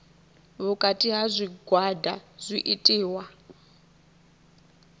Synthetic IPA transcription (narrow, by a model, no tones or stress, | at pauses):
βukʼatʼiɦazʷiɡwada̰zʷiʔitʼiːwa